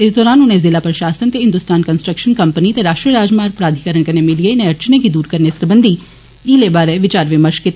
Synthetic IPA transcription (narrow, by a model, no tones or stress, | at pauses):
ɪsd̪ɔːɾaːnʊnẽzɪlaːpɾəʃaːsənt̪eɦɪ̃nd̪ʊst̪aːnkənsʈɾəkʃənkəmpənit̪eɾaːʃʈɾiəɾaːd͡ʒmaːɾpɾaːd̪ʱikəɾəɳkɐnemɪlieɪnẽɐɾt͡ʃnekid̪uːɾkəɾnesəɾbənd̪ʱi | iːlebaːɾeʋɪt͡ʃaːɾʋɪməɾʃkɪt̪ː